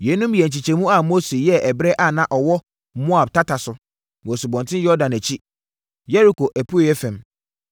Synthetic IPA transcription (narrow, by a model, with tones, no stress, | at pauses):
jɛ˨˦nũ˦mjɛ˨ɲ̩˨t͡ɕi˨t͡ɕɛ˨mũ˦a˨mo˦se˨jɛ˦ʔɛ˨bɾɛ˦ʔa˦˨nã˦ʔɔ˨wɔ˦ | mʊ̃˦a˨b̚tʰa˦ta˨sʊ˨ | m˨ɔ˨su˨bɔ̃˨ntʰɪ̃˦jɔ˦dã˨næ˨t͡ɕʰi˦ | jɛ˦ɾi˨kʰo˨ʔæ˨pʰu˦o˨jɛ˦fɛ̃˨m